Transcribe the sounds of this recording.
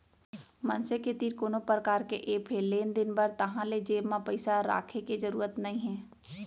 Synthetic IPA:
mɐ̃nseket̪iːɾkoːnopɾəkaːɾkeʔeːpʰeːleːnd̪ɪnbɐɾt̪ɐɦãled͡ʒeːbmãpɐɪsaɾa̰ːkʰeked͡ʒɐɾuːɾət̪nɐɦĩɦɛ̃ː

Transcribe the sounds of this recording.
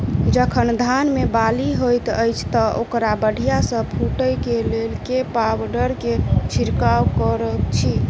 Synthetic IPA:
d͡ʒəkʰənd̪ʱanmebaliɦojt̪əjt͡ʃʰt̪ɔʔokɾabəɖʱijasə̃pʰuʈəjkelelkepawəɾɖəɾket͡ʃʰiɾkawkəɾəkt͡ʃʰi

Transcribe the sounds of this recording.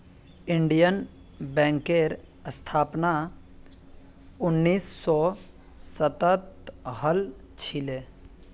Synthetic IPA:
ɪɳɖijən | bɛ̃ːŋkeɾ | əst̪ʰaːpna | ʊnːiːsːɔ | sət̪ət̪ɦəl | t͡ʃʰɪle

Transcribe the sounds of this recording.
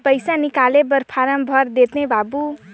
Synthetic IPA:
pʌjsanikalebʌɾpʰaɾʌmbʱʌɾd̪et̪nebabu

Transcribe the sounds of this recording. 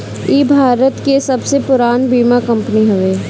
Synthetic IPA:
iːbʱaːɾət̪kesɐbsepʊɾaːnbiːmakɐ̃mpəniɦoʋeː

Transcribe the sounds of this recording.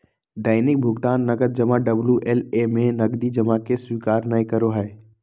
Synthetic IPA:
ɖaːɪnɪk̚bʱʊɡt̪aːnːəɡəd̪̚d͡ʒəmaɖəbljuʔelemẽnɐɡd̪id͡ʒəmakeswiːkaːɾnəĩkəɾoɦɛe

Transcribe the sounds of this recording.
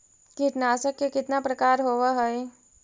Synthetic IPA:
kiʈ̪naːsəkːekɪt̪napɾəkaːɾɦoːʋaɦɔe

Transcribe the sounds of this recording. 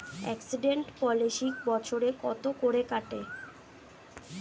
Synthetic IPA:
ɛ̰ksiɖeɳʈpɔliʃik̚bɔt͡ɕʰoɾekɔt̪okoɾekaʈe

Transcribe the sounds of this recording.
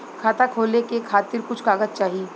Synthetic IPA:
kʰaːt̪akʰoːlekekʰaːt̪ɪɾkʊt͡ʃʰkaːɡəd̪̚t͡ʃaːɦie

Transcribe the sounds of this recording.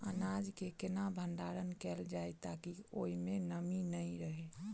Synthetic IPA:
ə̰nad͡ʒkekɪnabʱə̃nd̪aːɾənkɛːld͡ʒaet̪akioimẽnəminəĩɾəɦe

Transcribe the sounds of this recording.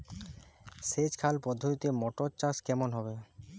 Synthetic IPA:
sed͡ʑkʰalpɔd̪ʱːot̪it̪imɔʈoɾt͡ɕaskɛmonɦɔbe

